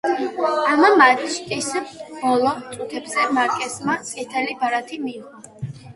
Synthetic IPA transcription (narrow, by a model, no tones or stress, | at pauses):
amamad̪ʃkʼisbɔlˠɔt̪sʼut̪ʰɛbzɛmaɾkʼɛsmat̪sʼit̪ʰɛlibaɾat̪ʰimiːʁɔ